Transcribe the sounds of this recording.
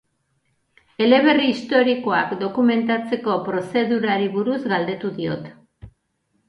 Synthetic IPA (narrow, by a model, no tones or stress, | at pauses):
e̞le̞β̞e̞riːst̪o̞ɾikoakd̪o̞kume̞nt̪at͡se̞ko̞pɾo̞se̞ðuɾaɾiβuɾuzɡald̪e̞t̪uðio̞̰t̪